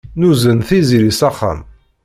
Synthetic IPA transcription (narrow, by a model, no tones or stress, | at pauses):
nuzənθizilisɑχːa̰m